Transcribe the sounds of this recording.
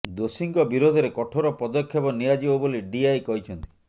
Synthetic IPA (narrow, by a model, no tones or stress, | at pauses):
d̪osiŋɡɔbiɾod̪ʱɔɾekɔʈʰoɾɔpɔd̪ɔkʰːjɔbɔnijad͡ʒibɔboliɖiajkɔɦit͡ʃʰɔnt̪i